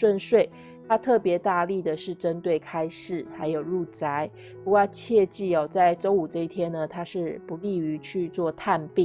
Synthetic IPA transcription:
ʂwə˥˧nʂwe˥˩ɪ | t̪ʰa˥t̪ʰɤ˥˩pjɛ˧˥t̪a˥˧li˥˩d̪ə˩ʂɻ̩˥˩ʈ͡ʂə˦˥nt̪we˥˩ɪkʰa˥ɪʂɻ̩˥˩xa˧˥ɪjo˨˩ʊɻu˥˩t͡sa˧˦ɪ | pu˧˥kwa˥˧t͡ɕʰjɛ˥˧t͡ɕi˥˩ɔ˨˩t͡sa˥˩ɪʈ͡ʂo˥ʊu˨˩ʈ͡ʂɤ˥˧i˥˩t̪ʰjɛ˥nə˨t̪ʰa˥ʂɻ̩˥˩pu˧˦li˥˩y˧˥t͡ɕʰy˥˧t͡swɔ˥˧t̪ʰa˥˧npi˥˨

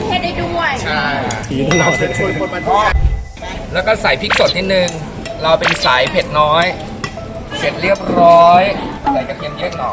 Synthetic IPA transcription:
a˧˥da˥˩du˥˩əkʰa˥˩˥la˧˩˧t͡ɕʰu˧˥˩o˨˧n̚maː˧ɔː˥˩ | lɛː˦˥wkɔː˥˩sa˨˩˦jpʰi˦˥k̚so˨˩˦t̪niː˦˥˩nɯ˧ŋ | ɾa˧wpe˧nsaː˩˦jpʰe˨˩t̪̚nɔː˦˥j | se˨˩t̪̚ɾi˥˩əp̚ɾɔː˦˥jt̪ɛː˨˩t͡ɕa˨˩k̚ji˧njɯ˥˩əŋlɔː˨˩

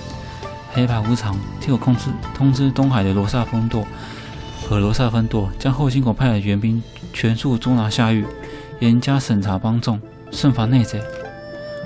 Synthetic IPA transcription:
xe˧˥ɪpʰa˨˩ɪu˧˥t͡sʰɑ˧˥ŋt̪ʰjo˥˩˥t̪ʰʊ˥ŋt͡sɹ̩˥t̪ʊ˥ŋxa˨˩ɪd̪ə˦lwɔ˧˥sa˥˧fə˥nt̪wɔ˥˩ | xɤ˧˥lwɔ˧˥sa˥˧fə˥nt̪wɔ˥˩t͡ɕjɑ˥ŋxo˥˩ʊɕi˥ŋkʊ˨˩pʰa˥˩ɪd̪ə˨˩ɥɛ˧˥npi˥n | t͡ɕʰɥɛ˧˥nʂu˥˩t͡sʊ˥na˧˥ɕja˥˧y˥˩ | jɛ˨˥nt͡ɕja˥ʂə˨˩nt͡sʰa˧˥pɑ˥ŋt͡sʊ˥˩ŋ | ʂə˥˩nfa˧˥ne˥˧ɪt͡sa˥˩ɪ

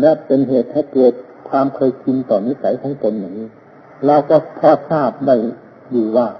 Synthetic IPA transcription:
lɛ˦˧˥pe˧nɦeː˨˩t̪̚ʰːaː˧˥˩kɤː˨˩t̪̚ | kʰwaː˧mkʰɤː˧jkʰi˧nt̪ɔː˨˩niː˦˥˨sa˨˦jt̪ʰaː˦˥ŋt̪o˧nːa˨˩ŋiː˦˥˩ | ɾa˧wkɔ˧˩pʰaː˧˩p̚saː˥˩p̚da˧˥˩j | duː˧˩waː˧˩

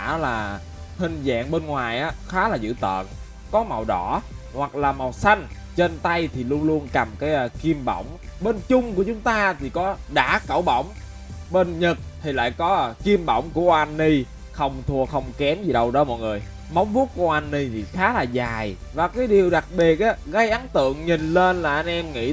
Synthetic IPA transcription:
aː˧˩˦laː˨˩ | hï˨˩ŋ̟za̰ː˧˨ŋɓe˧nŋwaː˨˩jʔaː˨˦xaː˨˦laː˨˩zɨ̰˧˥t̪ə̰ː˧˨n | kɔ˨˦ma˨˩wɗɔ˧˩ | hwa˨˩k̚laː˨˩ma˨˩wsa˧jŋ̟ | t͡ɕe˧nt̪a˧jt̪ʰi˨˩lu˧ənŋlu˧ənka˨˩mkaː˨˦jki˧əmɓə̰˧˩˨wŋ͡mɓe˧nt͡ɕʊ˧ŋ͡mku˧˩ət͡ɕʊ˨˦ŋ͡mt̪aː˧t̪ʰi˨˩kɔ˨˦ɗa̰ː˧˥kə̰˧˩wɓə̰˧˩wŋ͡m | ɓe˧nɲə˨˩t̚t̪ʰi˨˩la̰ː˧˨jkɔ˨˦ki˧əmɓə̰˧˩wŋ͡mku˧˩əʔwʔa˧nːi˧ | xə˧˩wŋ͡mt̪ʰu˨˩əxə˧wŋ͡mkɛ˨˦nzi˨˩ɗə˧wɗɔ˨˦mɔ̰˧˨jŋɨ˨˩əj | ma˨˦wŋ͡mvu˦˥t̚ku˧˩əʔa˧nːi˧t̪ʰi˨˩xaː˨˦laː˨˩zaː˨˩j | vaː˨˩kaː˨˦jɗi˨˩əwɗa˨˩k̚ɓi˨˩ət̚ʔaː˨˦ɣə˧jʔa˨˦nt̪ɨ̰˧˨əŋɲi˨˩nle˧nlaː˨˩ʔa˧jŋ̟ʔɛ˧mŋḭ˧˥

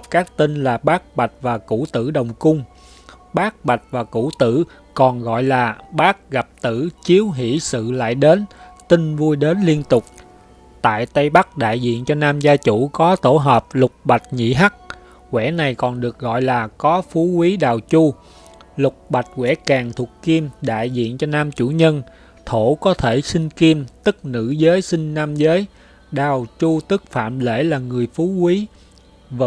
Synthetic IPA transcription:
p̚kaː˦˥k̚t̪ï˧nlaː˨˩ɓaː˦˥k̚ɓa˨˩jt̚vaː˨˩ku˧˩˥t̪ɨ̰˧˥ɗə˨˩wŋ͡mkʊ˧ŋ͡m | ɓaː˦˥k̚ɓa˨˩jt̚vaː˨˩kṵ˧˥t̪ɨ̰˧˩˨ | kɔ˨˩nɣɔ̰˧˨jlaː˨˩ɓaː˦˥k̚ɣa˨˩p̚t̪ɨ˧˩t͡ɕi˨˦əwɦḭ˧˥sɨ̰˧˨la̰ː˧˨jɗe˨˦nt̪ï˧ŋvu˧jɗe˨˦nli˧ənt̪ʊ˨˩k͡p̚ | t̪a̰ː˧˨jt̪ə˧jɓa˦˥k̚ɗa̰ː˧˨jzḭ˧˨ənt͡ɕɔ˧naː˧mzaː˧t͡ɕu˧˩kɔ˨˦t̪o˧˩ɦəː˨˩p̚lʊ˨˩k͡p̚ɓa˨˩t̚ɲḭ˧˨ɦa˦˥k̚ | kwɛ̰˧˩˥na˨˩jkɔ˨˩nɗɨ˨˩ək̚ɣɔ̰˧˨jlaː˨˩kɔ˨˦fu˨˦kwi˨˦ɗaː˨˩wt͡ɕu˧ | lʊ˨˩k͡p̚ɓa˨˩t̚kwɛ̰˧˥kaː˨˩ŋt̪ʰu˨˩əkki˧mɗa̰ː˧˨jzḭ˧˨ənt͡ɕɔ˧naː˧mt͡ɕu˧˩ɲə˧n | t̪ʰo˧˩kɔ˨˦t̪ʰe˧˩sï˧ŋ̟ki˧mt̪ɨ˦˥k̚nɨ̰˧˥zəː˨˦jsï˧ŋ̟naː˧mzəː˨˦j | ɗaː˨˩wt͡ɕu˧t̪ɨ˦˥k̚fa̰ː˧˨mlḛ˧˩laː˨˩ŋɨ˨˩əjfu˨˦kwi˨˦ | v

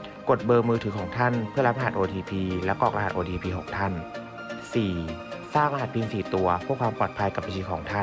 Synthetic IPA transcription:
ko˨˩t̪̚bɤː˧mɯː˧t̪ʰɯː˩˦kʰɔː˩˦ŋt̪ʰa˥˩npʰɯ˥˩ɐla˦˥p̚ʔa˧a˨˩t̪ʔoː˧t̪ʰiː˧pʰiː˧lɛ˦˥kːɔː˨˩k̚a˧˨˩t̪ʔoː˧t̪iː˧pʰiː˧ɦo˨˩k̚t̪ʰa˥˩n | siː˨˩saː˥˩ŋʔa˧a˨˩t̪̚pʰiː˧nsiː˨˩t̪u˧ɐpʰɔː˥˩əkʰwaː˧mpɔː˨˩t̪̚pʰa˧jka˨˩ba˧nt͡ɕʰiː˧˩kʰɔː˩˦ŋt̪ʰa˥˩

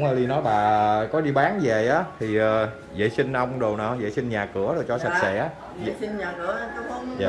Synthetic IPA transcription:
ŋ͡məː˧˩li˧nɔ˨˦jɓaː˨˩kɔ˨˦ɗi˧ɓaː˨˦nze˨˩ʔaː˨˦t̪ʰi˨˩ʔəː˨˩ | zə̰ː˧˩˨jsï˧ŋ̟ʔə˧wŋ͡mɗo˨˩wnɔ̰ː˨˩zə̰˧˨jsï˧ŋ̟ɲaː˨˩kɨ˧˩əɗo˨˩jt͡ɕɔ˧˩sa˨˩t̚sɛ̰˧˥ʔa˨˦˧ | i˧ɲaː˨˩kɨ˨˧˩ə˧˨˦a˨

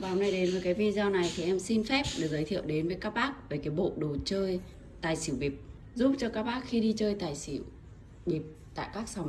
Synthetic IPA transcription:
vaː˨wna˧jɗe˨˦nvəː˨˦jkaː˨˦jvḭ˧zɔ˧na˨˩jt̪ʰi˨˩ʔɛ˧msi˧nfɛ˦˥p̚ɗɨ˨˩k̚zə˨˦jt̪ʰḭ˧˨əwɗe˨˦nvəː˨˦jkaː˦˥k̚ɓaː˦˥k̚ve˨˩kaː˨˦jɓo̰˧˨ɗo˨˩t͡ɕəː˧j | t̪aː˨˩jsi˧˩əwɓi˨˩p̚ | zʊ˦˥p̚t͡ɕɔ˧kaː˦˥k̚ɓaː˦˥k̚xi˧ɗi˧t͡ɕəː˧jt̪aː˨˩jsi˧˩˨əw | ɓi˨˩p̚t̪a̰ː˧˨jkaː˦˥k̚sa˨˦ŋ͡m

